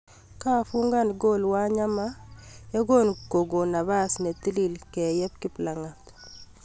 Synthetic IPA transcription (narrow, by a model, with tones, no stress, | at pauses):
ka˦fu˦ŋɡa˦˨nɡo˦lwa˦ɲa˦ma˦jɔ˦ɡo˦nko˨ɡo˨na˨βa˦sne˨t̪i˦li˨lkɛ˨jɛ˦p̚kɪ˦pla˨ŋa˨t̪